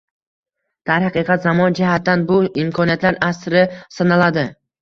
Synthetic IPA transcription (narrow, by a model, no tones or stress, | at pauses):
d̪̥aɾhɑqɨqʰɑt̪zamɒnd͡ʒɪhat̪ːanbʊɪmkʰɒnijat̪laɾasɾɪsanalad̪ɪ